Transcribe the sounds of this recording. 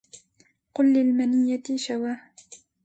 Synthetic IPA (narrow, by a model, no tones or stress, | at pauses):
qʊlːɪlmanɪjːaʃawaːh